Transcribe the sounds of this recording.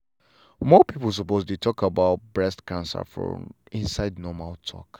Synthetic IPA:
mɔpiplˠs̬ɔpostutʰɔkabaʊt̚bɹɛstkãnsə̰fɹɔ̰̃mĩnsaɪdnɔmaltʰɔ̰k

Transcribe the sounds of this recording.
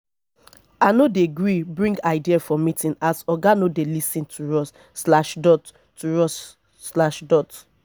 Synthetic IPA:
anodeɡɹibɹĩŋɡaɪdiafɔmitĩnasɔɡanodelisĩntʰuɹɔs | slaʃdɔt | tuɹɔs | slaʃdɔt

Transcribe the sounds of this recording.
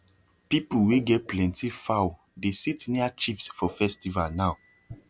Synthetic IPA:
pipuweɡɛt̚plɛ̃ntifaw | desitniat͡ʃifsfɔfɛstivalnaʊ

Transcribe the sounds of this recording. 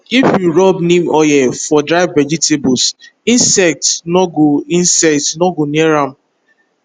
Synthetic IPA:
ifjuɾɔbnĩmɔjɛfɔdɾaɪvːɛd͡ʒitebɔsĩnsɛk̚tnɔɡoinsɛk̚tnɔɡoniɛɾam̩

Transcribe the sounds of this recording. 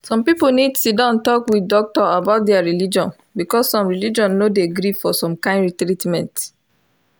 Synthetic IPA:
sɔ̃mpipunidsidɔ̃ntɔkwidɔk̚tɔabaʊt̚dɛaɹilid͡ʒɔ̃n | bikɔsːɔ̃mɹilid͡ʒɔ̃nːodeɡɾivfɔsɔ̃mkãɪ̃nɹitɹitmɛ̃nt

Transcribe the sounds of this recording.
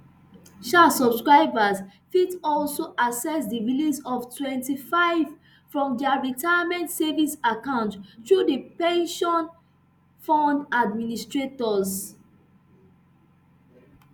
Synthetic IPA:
ʃasɔbskɹaɪbazfitɔlsoʔasɛsdiɹilisɔvtwɛ̃ntifaɪv | fɹɔ̃mdɛaɹitajamɛ̃ntsɛvisakãʊ̃nttɹudipẽnʃɔ̃n | fɔ̃ndadministɹetɔz

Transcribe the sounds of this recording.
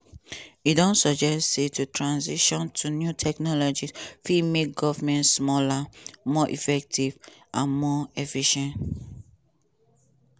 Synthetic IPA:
idɔ̃nsɔd͡ʒɛstsetutʰɹãnziʃɔ̃ntʰunjutʰɛknɔlɔd͡ʒisfimek̚ɡɔvmɛ̃ntsmɔlamɔʔḭfɛk̚tʰivʔãnmɔɛfiʃɛ̃nt

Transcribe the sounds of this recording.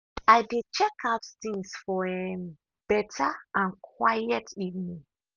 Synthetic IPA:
ajdet͡ʃɛkʰaʊttĩŋsfɔɛn | b̥ɛtʰaãnkʰwajɛtʰivnĩ

